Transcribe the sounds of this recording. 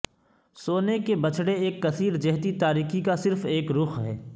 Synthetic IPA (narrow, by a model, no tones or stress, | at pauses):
soːnekebɐt͡ʃʰɽeeːkːɐsiːɾd͡ʒɛɦt̪it̪aːɾiːxikasɪɾfeːkɾʊxɦɛ̰ː